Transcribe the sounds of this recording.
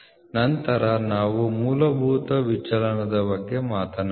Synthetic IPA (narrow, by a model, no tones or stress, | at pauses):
nɐnt̪ɐɾɐnaːʋumuːlɐbʱuːt̪ɐʋit͡ʃɐlɐɳɐd̪ɐbɐɡːemaːt̪ɐna